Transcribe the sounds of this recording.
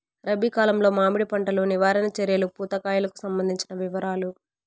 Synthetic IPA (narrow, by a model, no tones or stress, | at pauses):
ɾɐbikaːlɐmlo̞ːmaːmiɽipɐɳʈɐloːniʋaːɾɐnɐt͡ʃeɾjɐlupuːt̪ɐkaːjulɐku̥sɐmbɐnd̪ʱiɲt͡ʃinɐʋiʋɐɾaːlu